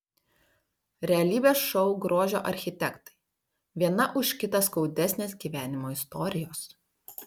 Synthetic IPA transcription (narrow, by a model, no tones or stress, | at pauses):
ɾʲɛɐlʲiːbʲeːsʃɔʊɡɾoːʒʲoːʔɐɾʲxʲɪt̪ʲɛkt̪ɐ̥ɪ | ʋʲiɛnɐʔʊʃʲkʲɪt̪ɐskɒʊd̪ʲɛsʲnʲeːsɡʲiːʋʲæːnʲɪmoːɪst̪ɔɾʲɪjoːs